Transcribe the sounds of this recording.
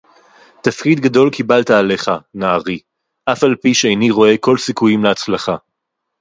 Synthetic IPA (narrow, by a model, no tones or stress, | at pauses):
t̪afkid̪ɡado̞lkibaltaːle̞χanaːʁi | ʔafalpiʃeejniʁo̞e̞ko̞lsikujimleat͡slaχa